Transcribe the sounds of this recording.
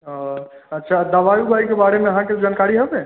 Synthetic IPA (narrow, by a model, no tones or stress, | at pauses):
ɦɔ̃ətːʃʰad̪əʋajubʱajkebaɾemeəɦãked͡ʒankaɾiɦɛbe